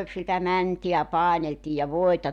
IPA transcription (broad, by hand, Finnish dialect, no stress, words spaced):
sitæ mæntiæ pɑˑeneltiː jɑ ʋoitɑ